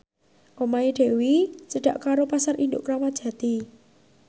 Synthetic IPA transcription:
ʔomaiɖ̪̥e̤wit͡ʃəɖ̥ä̤ʔkaɾopasarʔind̪ʊ̰ʔkɾamḁʒ̥ä̤t̪i

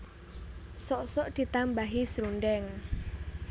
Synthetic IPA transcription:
sɔʔsɔʔd̪̥i̤t̪ambaɦisɾunɖɛŋ

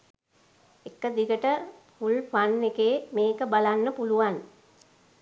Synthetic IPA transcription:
ekːəd̪iɡəʈəfulfanːekeːmeːkəbalanːəpuluʋan

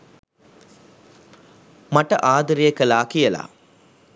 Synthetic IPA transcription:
mɐʈːɐʔaːd̪ɯɾijɐkːɐlaːkijɐla̰ː

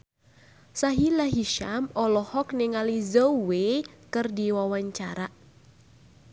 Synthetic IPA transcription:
saɦilaɦiʃamɔlɔhɔkneŋalizɔwekɨrdiwawaɲt͡ʃa̰ɾa

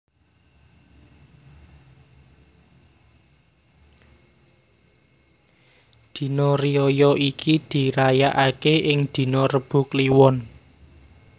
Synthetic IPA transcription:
d̪̥i̤nɔriɔjɔikʰid̪̥i̤ɾajaʔakeʔɪŋd̪̥i̤nɔrəb̥ṳkliwɔn

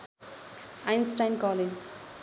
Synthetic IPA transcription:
ajnsʈajnkɔːled͡ʒ

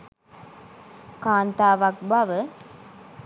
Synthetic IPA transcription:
kaːnt̪aːʋak̚baʋə

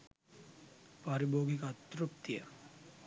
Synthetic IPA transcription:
pɐɾiboːɡikɐɐt̪rup̚t̪ijɐ

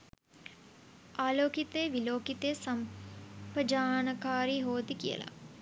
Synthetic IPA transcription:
ʔaːloːkit̪eːʋiloːkit̪esɐmpəd͡ʒaːnəkaːɾiɦoːt̪ikijə̰la̰

